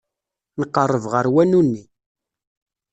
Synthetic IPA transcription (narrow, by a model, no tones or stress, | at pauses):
nəqːərˤːəvʁəɾwænunːi